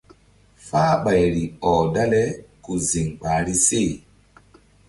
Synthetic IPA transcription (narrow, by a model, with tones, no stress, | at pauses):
faː˦ɓa˨jɾi˨ɔː˨da˦lɛ˦ku˨zi˨ŋɓa˨ɾi˦se˦˨